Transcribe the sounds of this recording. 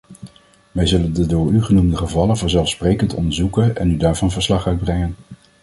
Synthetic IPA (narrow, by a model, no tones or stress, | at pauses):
ʋɛjzɵləndədʊːɹyχənumdəχəvɑlənvɑnzɛlˠfsprejkəntɔ̰ndəɹzukənɛ̰nydaːɹvɑnvəɹslɑχœɥd̚brɛŋən